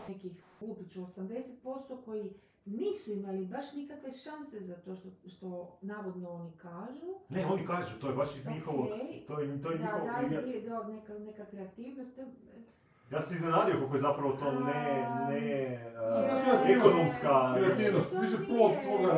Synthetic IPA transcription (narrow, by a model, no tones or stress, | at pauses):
nekixfulpit͡ʃosamd̪eset̪̚po̞st̪oko̞ji | niːsuimalibaʃnikakʋe̞ʃanse̞zat̪oʃt̪oʃt̪onaːʋod̪noonikaːʒuneo̞nikaːʒut̪o̞jebaʃɲixoʋot̪ojet̪ojeɲiaxodaʎed̪anekanekakɾeat̪iːʋnost̪ | jaːsiznenaːd̪ijokokojezapɾaʋot̪o̞ːnene | nesmiaekonomskakɾeat̪iːʋnost̪ʋiʃepolokt̪oːɡa